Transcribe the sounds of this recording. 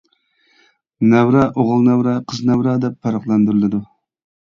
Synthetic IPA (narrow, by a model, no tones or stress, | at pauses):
næwɾɛʔoʁəlˠnɛwɾɛqʰəznɛwɾɑːd̪ɛpʰːɑɾɑqlˠɑnd̪yɾɪlˠɪd̪u